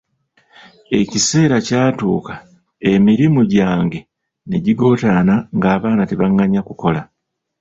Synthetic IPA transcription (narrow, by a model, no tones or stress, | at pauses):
e̞cise̞ːɾacaːtṵːkḁ | e̞miɾimuɟaːŋɡe̞ | ne̞ɟiɡo̞ːtaːnaŋɡaːβaːnate̞βaŋːaɲakuko̞la